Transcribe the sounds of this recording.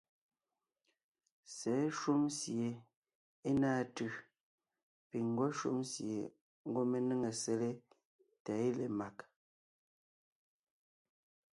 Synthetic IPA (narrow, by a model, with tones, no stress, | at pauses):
sɛ˨˦ʃu˦msje˨ | e˦naː˦˨tʉ˨ | pi˨ŋ˨ɡɔ˦ʃṵ˦msje˨ | ŋ˦ɡo˦me˨nɨ˦ŋe˨se˨le˦ | tɛ˨˦e˦le˨ma˨k